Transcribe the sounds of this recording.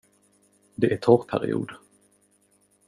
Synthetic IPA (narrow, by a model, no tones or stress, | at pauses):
d̪ɛʔæʈ̪ʰɔːɾpʰæɾɪ̰ṵːd̪